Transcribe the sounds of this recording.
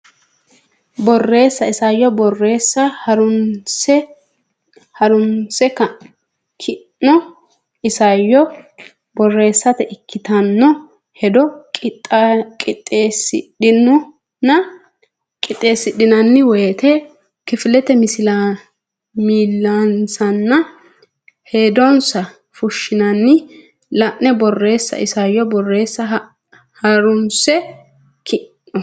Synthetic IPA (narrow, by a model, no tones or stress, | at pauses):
bɔrːe̞ːsːɐɪsɐjːɔbɔrːe̞ːsːɐhɐɾʊnsɛ | hɐɾʊnsɛkːɐ | kʰɪː | ɔ | ɪsɐjːɔ | bɔrːe̞ːsːɐt̪ɛʔɪkːɪt̪ɐnːɔ | hɛd̪ɔkʼ | kʼɪt̪ʼːeːsɪ̰ɗɪnːʊ | nɐ | kʼɪt̪ʼːe̞ːsːɪɗɪnɐnːɪwɔjɛt̪ɛ | kɪfɪlɛt̪ɛmɪsɪla | miːlːansɐnːɐ | he̞ːd̪ɔnsɐ | fʊʃːɪnɐnːɪ | lɐʔnɛbɔrːe̞ːsːɐ̰ʔɪsɐjɔbɔrːe̞ːsːɐ | hɐɾʊnsɛ | kʰɪnːɔ